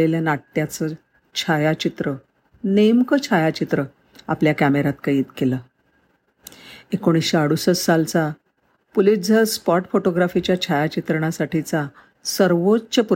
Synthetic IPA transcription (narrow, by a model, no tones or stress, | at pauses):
eljanaʈːjat͡sə | t͡ɕʰajat͡ɕit̪ɾə | nemkət͡ɕʰajat͡ɕit̪ɾə | apljakæmeɾat̪kajiːt̪keləː | ekoɽ̃iɕeaɽusət͡ssalt͡sa | pulid͡zʱəɾspɔʈfoʈoɡɾafit͡ɕjat͡ɕʰajat͡ɕit̪ɾəɳ̃asaʈit͡sa | səɾʋot͡st͡ɕepu